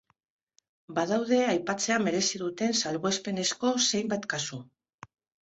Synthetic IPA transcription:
baðawð̞e̞ajpat͡se̞ame̞ɾe̞siðut̪e̞nsalβoespe̞ne̞sko̞se̞jmbat̪kasu

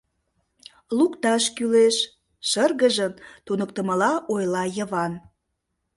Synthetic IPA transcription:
lukt̪ɑʃkyleʃ | ʃərɣəʒəmt̪unək̚t̪ə̆məlɑʔojlɑjəβɑn

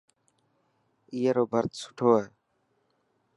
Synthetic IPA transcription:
ijəːɾoːbʱəɾt̪sʊ̥ʈʰoːɦɛː

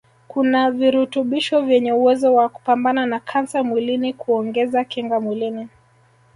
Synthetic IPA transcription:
kunaviɾutuɓiʃɔvjɛɲɛuwɛzɔwaku̥pambananakʰansamwilinikuɔŋɡɛzakɛŋɡamwilini

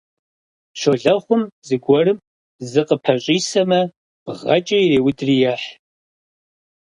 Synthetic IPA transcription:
ʃoɮɐχʷʊmzɨɡʷɔrɨm | zɨqəpʰɐɕʷʼiːsɐmɐ | b̥ʁɐ̰t͡ʃʼɐireːwʊtʼrijaħ

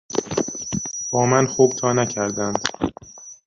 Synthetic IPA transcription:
b̥ɒːmænxuːb̥̚t̪ʰɒːnæcʰæɾd̪ænd̪̥

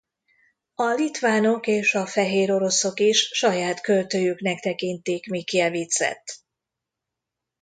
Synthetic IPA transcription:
ɒlit̪ʋaːno̞keːʃɒfɛɦeːɾo̞ɾo̞so̞kiʃʃɒjaːt̪kø̞lt̪øːjyknɛkt̪ɛkint̪eːkmikːiɛviːt̪sɛ̰t̪ː

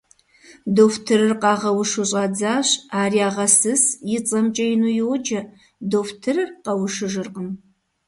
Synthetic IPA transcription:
doftʰɨɾɨrqɑːʁɐwʊʂɨɕʼɑd͡zaːɕaːriaːʁɐsɨsjɪt͡sʼɐmt͡ʃʼɐjɪnuːjɪwɔd͡ʒɐ | doːftʰɨrɨrqɐwʂɨʒɨrqʼəm

